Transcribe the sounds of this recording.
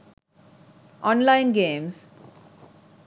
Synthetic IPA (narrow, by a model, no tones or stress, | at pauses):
ʔɔ̃ːnlaɪ̃nɡẽːms